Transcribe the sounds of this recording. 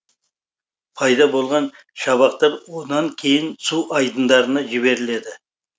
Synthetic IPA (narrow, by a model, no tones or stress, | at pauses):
pʰɑjd̪ɑbo̞lˠʁɑn | ʃɑβɑqt̪ɑɾwonɑŋkʲʰe̞jɪnsuɑjd̪ənd̪ɑɾənɑʒɪβe̞ɾɪle̞d̪ɪ